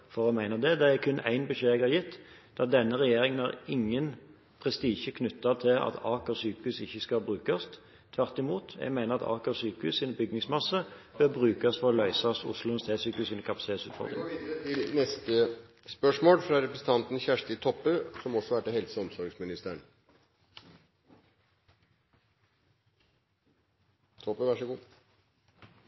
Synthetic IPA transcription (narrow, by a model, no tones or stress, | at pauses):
fɔʁɛmæɪnəd̪ɛd̪ɛæɾkʰʉnːæ̰ɪnbʉʃeːɛɡɑɾjɪt̪ː | d̪̥ɑd̪ɛnːəʁɛjeːɾɪŋənhɑʁɪŋːən | pʰʁɛst̪iːʃəkʰnʉt̪ːɑt̪ʰɪlɑ̰t̪ʰɑːkɔsyːkʉsɪçːəskɑbʁʉːkɑst̪ | t̪ʰʋæʁt̪ɪmuːt̪jɛ̰ɡmæɪnəʁɑt̪ʰɑ̰ːkɔsyːkʉsɪnbʏɡnɪŋsmɑsːəb̥øːʁbʁʉːkɑsfɔʁlœʏsɑsʊ̰slʊənst̪ʰeːsyːkʉsɪnəkʰɑpɑsɪt̪eːt̪sʉːt̪fɔ̰ʁd̪ʁɪ̰t̪ʰɪlnɛst̪ə | spœʂmoːlfɾɑɾɛpɾəsn̩t̪ʰɑnt̪n̩çæʂʈɪt̪ʰɔpːøsɔmɔsɔʋæʈːəhɛlsəɔmsɔɾɡsmɪnɪst̪əɳ | t̪ʰɔpəʋæʂəɡuː